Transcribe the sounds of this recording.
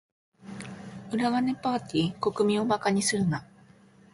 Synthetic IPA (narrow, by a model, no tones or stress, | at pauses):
ɯ̟ɾaɡane̞paːt̪ʲiːko̞kɯ̟mʲĩo̞bakaɲ̟isɨɾɯ̟na